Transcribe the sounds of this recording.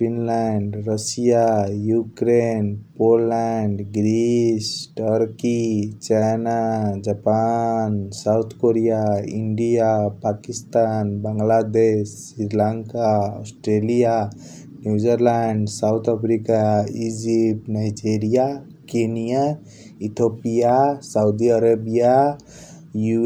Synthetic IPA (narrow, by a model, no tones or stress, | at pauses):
pinlɛɳɖɾəsijajukɾenpolːɛɳɖɡɾisʈəɾkit͡ʃajnad͡ʒapansaut̪ʰkoɾijaiɳɖijapakist̪anbəŋɡlad̪essːɾiɾlaŋkaɔ̰sʈɾelija | njud͡ʒəɾlaɳɖsawt̪ʰəpʰɾikaid͡ʒip̚najd͡ʒeɾija | kenija | it̪ʰopijasaʊd̪iəɾəbija | ju